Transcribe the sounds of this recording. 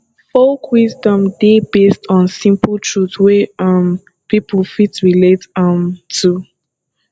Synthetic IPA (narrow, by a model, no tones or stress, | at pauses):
folkʰwizdɔ̃mdebestʰɔ̃nsĩmpʰl̩ˠtʰɹuθweʌm | pipʰəlˠfitɹiletə̃mtʰu